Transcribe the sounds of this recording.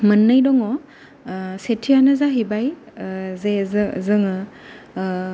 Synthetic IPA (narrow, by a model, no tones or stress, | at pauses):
mənːajdɔŋɔ | setʰijanɯzaɦibaj | zezzɯŋɯ